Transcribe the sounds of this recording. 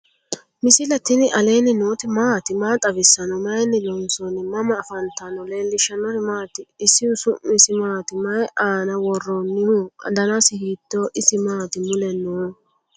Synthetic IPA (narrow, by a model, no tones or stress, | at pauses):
mɪsɪlɐt̪ɪnɪʔɐle̞ːnːɪnoːt̪ɪmaːt̪ɪmaːt̪ʼɐbɪsːɐnɔmɐjnːɪlɔnsɔnɪmɐmɐːfɐnt̪ɐnɔleːlːɪʃɐnɔnɪmaːt̪ɪːsːɪʊsʊmɪsɪmaːt̪ɪmɐjʔaːnɐwɔrːɔnːɪhʊɐ̰d̪ɐnasɪhiːd̪̥ːoʔɪsɪmaːt̪ɪmʊlɛnɔ